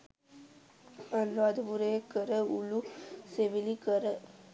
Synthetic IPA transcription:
ɐlːoɐd̪ubuɾeːkəɾəuluseʋilikəɾə

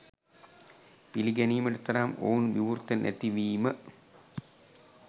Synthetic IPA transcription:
piliɡæniːmɐʈut̪ɐɾamo̰ːnʋiʋurt̪ɐnʔɛ̰t̪iʋiːmə

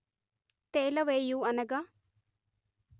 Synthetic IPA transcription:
t̪elɐʋejuɐnɐɡa

